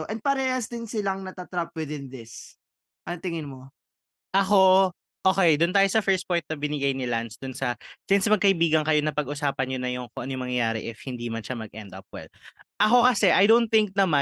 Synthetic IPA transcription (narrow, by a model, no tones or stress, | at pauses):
ʔɛnd̪̚pɐɾɛːhɐsd̪ɪnsɪlaŋnɐt̪ɐt̪ɾap̚wɪd̪ɪnd̪ɪs | ʔɐnt̪ɪŋɪnmo | ʔɐxo̞ | ʔoːkɛjd̪ʊnt̪aːjo̞sɐfɛɹst̪̚pojnt̪̚nɐbɪnɪɡajnɪlansd̪ʊnsɐsɪnsmɐɡ̚kɐʔɪbiːɡɐŋkɐjo̞nɐpɐɡʔʊsaːpɐnɲonɐjʊŋkoʔɐnjʊŋmɐŋjɐjaːɾɛ̰ʔɪfhɪnd̪iːmɐnʃamɐɡ̚ʔɛnd̪ɐ̰p̚wɛ̰lʔɐko̞kɐsɛʔɐjd̪ownt̪̚ɪŋk̚nɐma